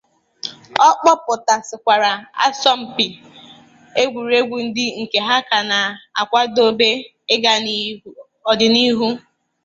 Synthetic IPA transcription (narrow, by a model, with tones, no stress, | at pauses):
ɔ˦k͡pɔ˦pʊ˨ta˨sɪ˨kʷa˨ɾa˨a̰˦sɔ˦m̩˨pɪ˨ | e˦ɡʷu˨ɾe˦ɡʷu˨n̩˦dɪ˦ŋ̩˨ke˨ɦa˦ka˨na˨a̰˨kʷa˦do˦be˦ | ɪ˦ɡa˨ni˦ | ɔ˨dɪ˨ni˦ɦu˦